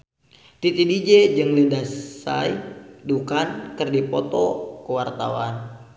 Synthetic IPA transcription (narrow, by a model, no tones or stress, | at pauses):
t̪it̪idid͡ʒɛd͡ʒɨŋlidasa̰jdukankɨrdipɔt̪ɔkəwart̪a̰wa̰n